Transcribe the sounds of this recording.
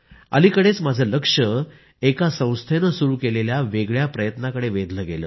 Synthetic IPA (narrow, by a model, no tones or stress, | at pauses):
ə̰likəɽet͡smad͡zʱələkʂə | ekasə̃w̃st̪ʰenəsuɾuːkeleljaʋeɡɭjapɾəjət̪nakəɽeʋed̪ləːɡelə̰ː